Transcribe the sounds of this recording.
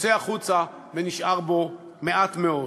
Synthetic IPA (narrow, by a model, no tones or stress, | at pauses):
seaχut͡sa | veniʃʔaʁbo̞ | me̞ʔatmeo